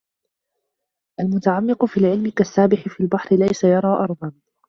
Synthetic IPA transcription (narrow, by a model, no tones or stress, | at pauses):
ʔalmʊt̪aʕamːɪqʊfiːlʕɪlmɪkasːaːbɪħɪfiːlbaħɾɪlajsajɑɾˤɑːʔɑɾˤðˤɑn